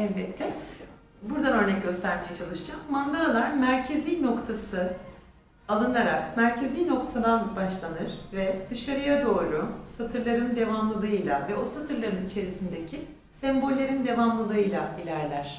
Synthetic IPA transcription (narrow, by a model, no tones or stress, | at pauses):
ɛvbɛt̪ʰːɛ | buɾd̪anø̞ɾnɛc̚ɟø̞st̪ʰæɾme̞jɛt͡ʃʰalˠɯʃɯd͡ʒamːand̪aɾalˠaɾmæɾcʰe̞zijno̞kt̪ʰasɯ | alˠɯnaɾakmæɾcʰe̞zijno̞kt̪ʰad̪anbaʃlˠanɯɾ̥vɛd̪̥ɯʃaɾɯjad̪o̞ːɾusat̪ʰɯɾlˠaɾɯnd̪e̞vamlˠɯlˠɯɯjlʲˠavɛo̞sat̪ʰɯɾlˠaɾɯnit͡ʃʰe̞ɾisind̪ecʰi | sɛmbo̞lʲːeɾind̪e̞vamlˠɯlˠɯɯjlʲˠailʲæɾlʲæɾ̥